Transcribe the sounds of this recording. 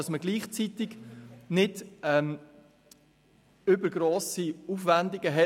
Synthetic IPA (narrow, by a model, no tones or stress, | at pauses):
ɑsməɡliːχt͡sit̪ɪɡnɪdɛm | ʏbəɾɡ̥ɾoːsiufʋænd̪ɪɡ̥əɦɛ